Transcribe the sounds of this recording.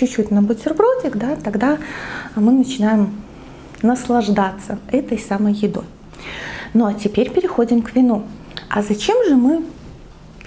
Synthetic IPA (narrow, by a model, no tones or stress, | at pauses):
t͡ɕʊt͡ɕːutʲnəbɨtʲɪrbɾotʲɪkd̪at̪ɐɡd̪amɨnət͡ɕɪnajɪm | nəslˠɐʐd̪at̪səɛt̪əjsaməjːɪd̪o̞̰j | noɐtʲɪpʲeɾʲpʲɪɾʲɪxo̞dʲɪmkvʲɪnu | ɐ̰zɐt͡ɕe̞mʐɨmɨ